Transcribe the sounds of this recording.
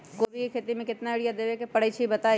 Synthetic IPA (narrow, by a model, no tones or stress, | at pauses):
koːbʱikʰeːt̪imẽkɪt̪naɪɽijad̪eːʋekepɐɽet͡ʃʰibɐt̪aː